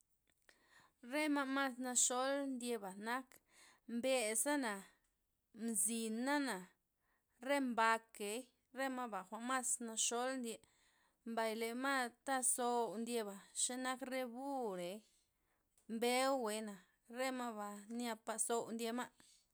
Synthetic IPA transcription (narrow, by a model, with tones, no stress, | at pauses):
ɾe˦ma˦˧ma˦˨sna˧ʃo˦lnd̪je˧ba˨na˦k | mbe˧sa˦na˨ | mzi˨na˦na˨ | ɾe˦mba˧ke˨˦j | ɾe˦ma˦ba˨xʷa˨ʔma˦sna˧ʃo˦lnd̪ʲje˧ | mba˧jle˨ma˦t̪a˦so˧wnd̪je˧ba˨ʃe˦na˦kre˧bu˦ɾe˨j | mbe˦wːe˨˦na˨ | ɾe˦ma˦ba˧nja˧pa˧so˧wnd̪je˧ma˦ʔ